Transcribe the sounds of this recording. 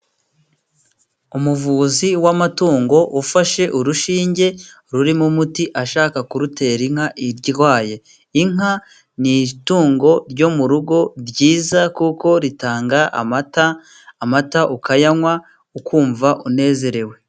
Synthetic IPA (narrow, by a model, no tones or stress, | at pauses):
umuvuːziwamatuːŋɡo̞ʔufaʃe̞ʔuɾuʃiːɲɟe̞ | ɾuɾimumutiʔaʃaːkakuɾute̞ɾiŋ̥haʔiɾɟiɾwaːje̞ | iŋa | nituːŋɡo̞ɾɟo̞muɾuɡo̞ɾɟiːzakuko̞ɾitaːŋɡa̰mtaː | mataʔukajamwa | ukʰuːɱvaʔune̞ːze̞ɾe̞we̞